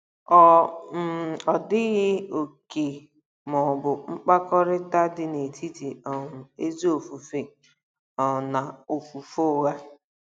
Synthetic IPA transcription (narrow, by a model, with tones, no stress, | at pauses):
ɔ˨m̩˦˨ɔ˨dɪ˦ɣɪ˦o˨ke˨ | mɔ˨bʊ˨ŋ͡m̩˦k͡pa˦kɔ˦ɾɪ˦ta˦dɪ˦ne˨tʰi˦ti˨ɔ˨e˦zi˦o˨fu˨fe˨ | ɔ˨na˨o˨fu˨fo˦˨wa˦